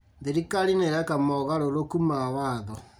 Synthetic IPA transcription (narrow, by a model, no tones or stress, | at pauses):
ðiɾikaɾineɾɛkamɔɣaɾoɾokumawaðɔ